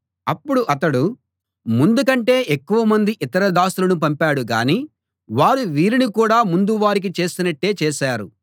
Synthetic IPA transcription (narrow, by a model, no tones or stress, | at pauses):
ɐpːuɽuʔɐt̪ɐɽu | mund̪ukɐɳʈe̞ːʔekːuʋɐmɐnd̪iʔit̪ɐɾɐd̪aːsulɐnup̬ɐmpaːɽuɡa̰ːniː | ʋaːɾuʋiːɾinikuːɽaːmund̪uʋaːɾik̬it͡ʃe̞ːst̪unɐʈːe̞ːt͡ʃeːʃaːɾṵ